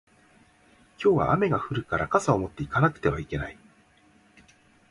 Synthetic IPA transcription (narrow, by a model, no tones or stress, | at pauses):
kʲo̞ːβa̰ʔa̰me̞ɡaɸɯ̟ɾɯ̟kaɾakasaomo̞t̪ːe̞ikanakɯ̥t̪e̞βaike̞nai